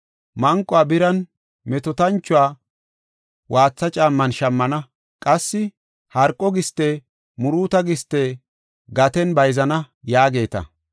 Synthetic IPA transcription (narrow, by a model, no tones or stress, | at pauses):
mɐŋkʼɔaːbɪɾɐn | mɛt̪ɔt̪ɐnt͡ʃːʊwaː | wʔaːt͡sːɐt͡ʃʼaːmːɐnʃɐmːɐnɐ | kʼɐsːɪ | hɐɾkʼːɔɡɪst̪ːeː | mʊɾuːt̪ɐɡɪst̪ːeː | ɡɐt̪ɛnbɐjzɐnɐ | jaːɡe̞ːt̪ɐ̰